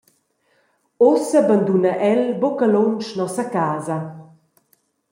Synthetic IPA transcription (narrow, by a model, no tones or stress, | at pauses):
osəband̪unaʔɛlbokəlont͡ʃnɔsɐkaːzɐ